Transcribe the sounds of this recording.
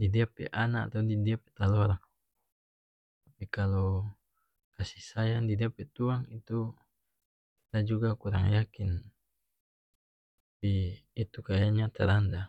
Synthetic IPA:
didiapɛ̰ʔanaa̰t̪audidiapɛt̪alɔɾaŋ | t̪apikalo | kasihsajadidiapɛt̪uaŋit̪u | dad͡ʒuɡakuɾa̰ŋjakin | apiːt̪ukajaɲat̪ɛɾanda

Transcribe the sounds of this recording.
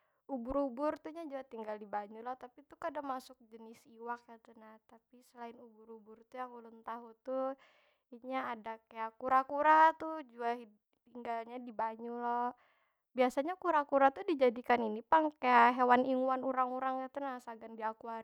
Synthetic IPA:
ubʊɾubʊrt̪uɲad͡ʒuat̪iŋɡaldibaɲulɔht̪apit̪ukaadamasʊk̚d͡ʒənɪsiwakat̪unaht̪apisəlaɪnubʊɾubʊrt̪ujaŋulʊnt̪aɦut̪u | iɲaːdakajakuɾakuɾat̪ud͡ʒuai | t̪iŋɡalɲadibaɲulɔ | biasaɲakuɾakuɾat̪udid͡ʒadikaninipaŋkajaʔɦewaniŋuanuɾaŋuɾaŋkat̪unasaɡandiakua

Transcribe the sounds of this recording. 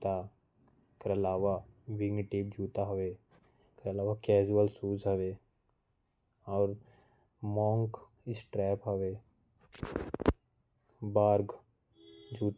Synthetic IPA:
t̪a | keɾɐlaːʋaʋɪɡnʈɪb̚d͡ʒʱuːt̪aɦɐʋe | keɐlaːʋakɛːd͡ʒuəlsuːzɦəʋe | ɔːɾ | mɔ̃ːŋk | ɪsʈɾɛːpɦəʋe | baːɾɡ | d͡ʒʱuːt̪

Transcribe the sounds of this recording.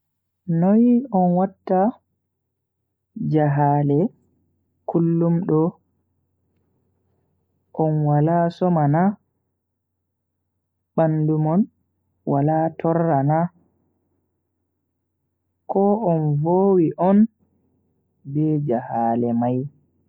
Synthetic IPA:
nɔjɔnwatːa | d͡ʒaɦaːlɛ | kʰulːumɗɔ | ʔɔnwalasɔmana | ɓandumɔn | walatʰɔrːana | kɔɔnvoːwiʔɔn | bɛd͡ʒahalɛmaj

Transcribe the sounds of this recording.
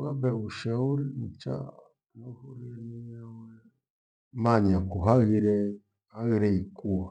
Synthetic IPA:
ɣabɛuʃɛuɾimut͡ʃa̰ | nuhuɾiniɲawɛ | maɲakuɦaɣiɾɛ | haɣiɾɛikua

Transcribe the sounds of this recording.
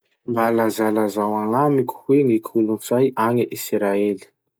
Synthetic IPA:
mbalazalazawaŋamikʲu̥weŋikʰulunsajaŋəʔisɾaeli̥

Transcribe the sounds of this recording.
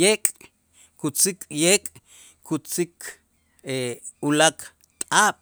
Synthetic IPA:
ekʼ | kut͡sikʼjeːkʼ | kut͡sikʰ | e | ulak | t̪ʼaːɓ̥

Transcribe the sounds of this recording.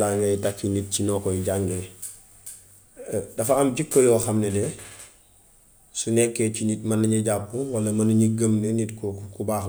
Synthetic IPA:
laŋɡɐjitakːinit̚cinɔːkɔjiɟaŋɡe | dɐfaːmɟikːojɔːxɐmnɛnɛ | sunɛkːecinitmɐnɐɲɐɟapːuwɐlɐmɐnɐɲiɡəmnenitkkubaːx

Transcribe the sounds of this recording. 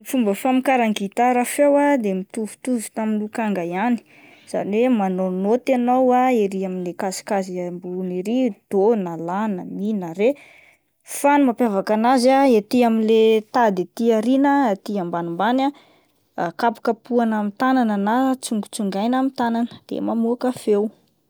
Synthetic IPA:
ifumbəfamikaɾaŋɡit̪aɾafewad̪emit̪uvu̥t̪uvu̥t̪aminukaŋɡajani̥ | z̥a̰nwemanonot̪anawaeɾiamilekasi̥kaziambuniɾid̪̥onalanaminaɾe | fanumapjavakanazaet̪iamilet̪ad̪et̪iaɾinəat̪iambanimbana | kapḁkapuanamit̪anananat͡suŋɡut͡suŋɡajnamit̪ananə̥d̪̥ḛmamuakafew

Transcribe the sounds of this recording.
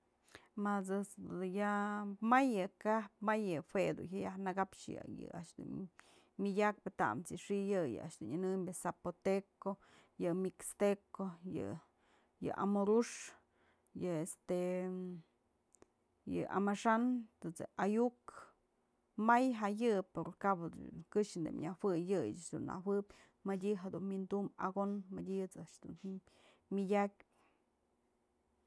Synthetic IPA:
masɨt͡s̪jamajɨkahpmajɨfwed̪ṵhʲɦajahnaɡapʂjɨ̰jɨ̰a̰ʔʂd̪ṵn | mʲidʲak̚pɨt̪a̰ʔmt͡sɨʂijɨjɨ̰a̰ʔʃd̪unɨnɨmbʲɨsapot̪eko | jɨmikst̪ekojɨ̰ | jɨ̰ʔa̰moɾuʂ | jɨest̪e | jɨ̰ʔa̰maʂant̪ɨt͡sḛajuk | majɦajɨpoɾkabɨkɨʂnd̪ɨ̰mɲawɨjɨjat͡ʃd̪ṵna̰wɨpʲ | madʲiɦad̪unmind̪uma̰ɡonmadʲiɨt͡saʔʂd̪un | mʲidʲakʲ

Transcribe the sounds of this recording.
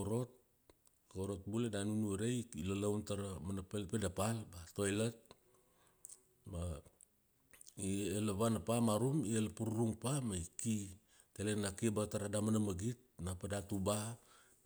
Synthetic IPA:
oɾo̞t̚ | koɾo̞t̚buledanunueɾejilalawntaɾamanapelpedapalbato̞jlet̚ | ma | ielaβanapamaɾumielapuɾuɾuŋpamaiki | telenakibataɾadamanamaɡit̚napadatuba

